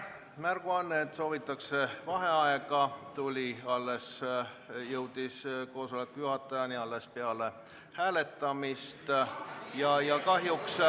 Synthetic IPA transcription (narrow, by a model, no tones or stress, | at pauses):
mærɡ̥uɑnːt̪ːˑso̞ːvit̪ːˑɑkse̞vɑɦe̞ɑeɡɑt̪ulʲiɑlːe̞s | jɤwd̪̥isko̞ːso̞le̞kːujuɦɑt̪ːˑɑjɑniɑlːe̞spe̞ɑle | hæːle̞t̪ːˑɑmist̪jɑjɑkɑɦjuks